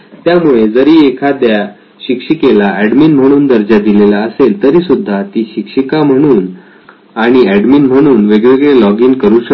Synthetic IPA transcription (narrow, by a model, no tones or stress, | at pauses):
t̪jamuɭed͡zəɾiːekʰad̪ja | ɕikʂikelaæɖmiːnm̤əɽ̃uːnd̪əɾd͡ʑad̪ilelaəselt̪əɾiːsud̪ʱːat̪iːɕikʂikam̤əɽ̃uːn | aɽ̃iæɖminm̤əɽ̃uːnʋeɡʋeɡɭelɔɡiːnkəɾũːɕə